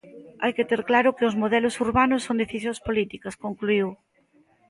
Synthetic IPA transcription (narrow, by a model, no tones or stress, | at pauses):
ajket̪eɾklaɾʊkeozmoð̞ɛlʊsuɾβanʊsːond̪eθisjõŋspolit̪ikɐskoŋkluiw